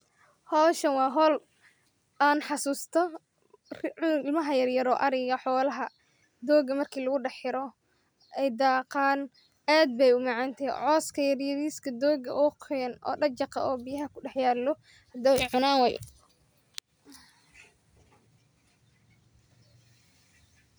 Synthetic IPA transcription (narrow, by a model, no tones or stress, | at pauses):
hɔːʃɐnwɑːɦɔːl | aːnħɑsuːst̪ʰɔ | ʊɪlmɐɦɐjɐrjɐɾɔːʔɐɾɪɣɐħɔːlɐɦɐ | d̪ɔːɡɐmɐrkʰiːlɐɣʊɖħɪɾɔ | ɛjd̪ɑːqaːn | aːd̪̚bɛjʊmɑʕɑnt̪ʰɛʕɔːskʰɐjɐrjɐðiːskʰɐd̪ɔːɡɐʔɔːqʰɛnʔɔ̰ːɖɐt͡ʃɑqɑ̰ɔːbijɐɦɐkʰʊɖɛħjaːɾlɔ | hɐd̪ɐwɛʕʊnaːnwɛj